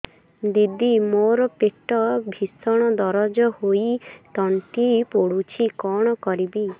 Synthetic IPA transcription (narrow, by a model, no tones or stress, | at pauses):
d̪id̪imoɾɔpeʈɔbʱisɔɽ̃ɔd̪ɔɾɔd͡ʒɔhoit̪ɔɳʈipoɽut͡ʃʰikɔɽ̃ɔkɔɾibi